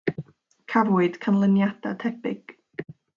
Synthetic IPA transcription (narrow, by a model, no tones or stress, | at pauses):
kʰavʊɨd̥kʰənlˠənjad̥a̰tʰɛbɪɡ̥